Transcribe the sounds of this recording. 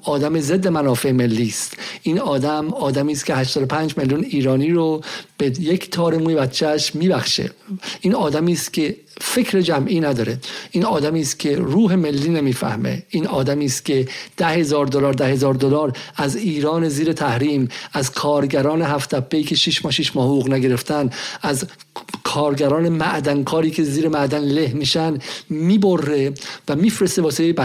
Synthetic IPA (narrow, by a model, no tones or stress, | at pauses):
ɒːd̪æmized̪ːe̞mænɒːfe̞me̞lːiːst̪ʔiːnɒːd̪æmɒːd̪æmiːst̪cʰeɦæʃt̪ɒːd̪opʰæːnd͡ʒme̞ljuniːɾɒːniːɾob̥ejecʰt̪ʰɒːɾemuːjebæt̪t͡ʃʰːæʃmiːbæxʃḛʔiːnɒːd̪æmiːst̪cʲʰe̞ | fe̞cʰɾed͡ʒæmʔiːnæd̪ɒːɾeiːnɒːd̪æmiːst̪kcʰe̞ɾuːɦe̞me̞lːiːne̞miːfæ̰hmḛʔiːnɒːd̪æmiːst̪cʲʰe̞d̪̥æhe̞zɒːɾd̪olɒːɾd̪æhe̞zɒːɾd̪olɒːɾæziːɾɒːneziːɾe̞t̪ʰæhɾiːmæzkʰɒːɾɟæɾɒːneɦæft̪ʰæpʰːeiːcʰe̞ʃiʃmɒːʃiʃmɒːhoouːɣnæɡe̞ɾe̞ft̪ʰænd̪æz | kʰɒːɾɡæɾɒːne̞mæʔd̪ænkʰɒːɾiːcʰe̞ziːɾemæʔd̪ænlehmiːʃænmiːbo̞rːe̞væmiːfɾest̪ebɒːseejebæ